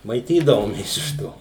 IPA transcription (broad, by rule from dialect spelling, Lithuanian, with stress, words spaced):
mɐɪˈtʲiːdɐʋoːmʲeːs ɪʃ ˈtoː